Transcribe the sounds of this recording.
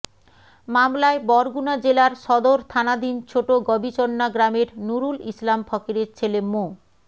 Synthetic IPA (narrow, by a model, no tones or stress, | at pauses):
mamlaebɔɾɡunad͡ʑelaɾʃɔd̪oɾt̪ʰanad̪int͡ɕʰoʈoɡɔbit͡ɕonːaɡɾameɾnuɾulislampʰɔkeɾeɾt͡ɕʰelemo